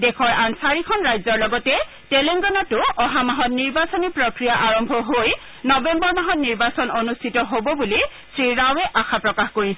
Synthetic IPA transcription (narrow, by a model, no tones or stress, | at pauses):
dɛkʰɔɹansaɹikʰɔnɹajzɔɹlɔɡɔtɛ | tɛlɛŋɡɔnatʊɔɦamaɦɔtniɹbasɔnipɹɔkɹijaʔaɹɔmbʱɔɦoj | nɔbɛmbɔɹmaɦɔtniɹbasɔnonustʰitɔɦobɔbuli | sɹiɹawɛʔaxʰapɹɔkaxkoɹisɛ